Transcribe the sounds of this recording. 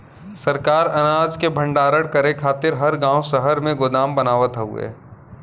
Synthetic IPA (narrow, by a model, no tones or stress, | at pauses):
sɐɾkaːɾɐnaːd͡ʒkebʱɐ̃ɳɖaːɾəɽkɐɾekʰaːt̪ɪɾɦɐɾɡãːwsɐɦəɾmẽɡʊd̪aːmbɐnaːʋət̪ɦʊ̰ḛː